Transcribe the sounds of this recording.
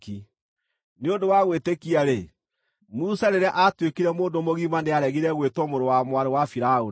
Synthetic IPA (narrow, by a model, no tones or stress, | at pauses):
ki | neondowaɣwetekiaɾe | musaɾeɾeaʔatwekiɾɛmoːndomoɣimaneaɾɛɣiɾɛɣwetwɔmoɾowamwaɾewafiɾao